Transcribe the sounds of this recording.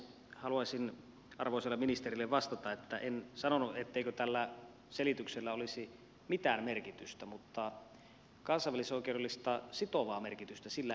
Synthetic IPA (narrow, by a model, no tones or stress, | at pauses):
hɑluɑsin | ɑ̰rʋoˑiselːeminist̪erilːeʋʋɑst̪ɑt̪ɑet̪ːæʔensɑnonuʔet̪ːeikøt̪ælːæ | selit̪ykselːæolisi | mit̪æːmmerkit̪yst̪æmut̪ːɑ | kɑnsɑˑiʋːælisoˑikˑeudelːˑist̪ɑsit̪oʋɑːmerkit̪yst̪æsilːæ